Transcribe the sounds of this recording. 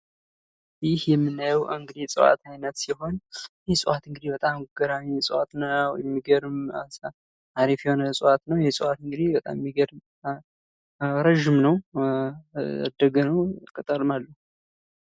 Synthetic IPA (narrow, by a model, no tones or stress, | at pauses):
jɪhjɛmːɨnːajɛwʔɨŋɡɨd̪isʼɨwa̰t̪ʰajnət̪siɦo̞njɛsʼɨwat̪ɨŋɡɨd̪ibət̪ʼamɡəɾaɲsʼwat̪nəw̰jɛmːiɡəɾɨmas | aɾifjɛho̞nəsʼɨwat̪nəwjɛsʼuwat̪ɨŋɡɨd̪ibət̪ʼa̰mmːiɡəɾm | ɾəʒːɪmnəw | a̰d̪əɡənəwkʼət̪ʼəlmalːə